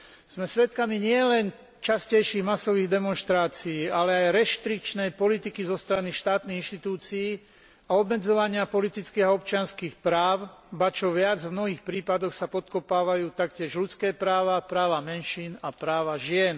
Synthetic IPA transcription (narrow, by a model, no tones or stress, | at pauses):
z̥mɛsʋɛt̪kamiɲɪɛlɛn | t͡ʃascɛjʃiɣmasɔʋiːɣd̪ɛmɔnʃt̪ɾaːt͡siiːalɛajɾɛʃt̪ɾik̚t͡ʃnɛjpɔlit̪ikizɔst̪ɾaniʃt̪aːt̪niɣinʃt̪it̪uːt͡siː | aɔbmɛd͡zɔʋaɲɪapɔlit̪it͡skiːɣaɔp̚t͡ʃɪanskiːxpɾaːʊbat͡ʃɔʋɪad͡zvmnɔɦiːxpɾiːpad̪ɔxsapɔt̪kɔpaːʋajuːt̪akcɪɛʒlut͡skɛːpɾaːʋapɾaːʋamɛnʃiːnapɾaːʋaʒɪɛn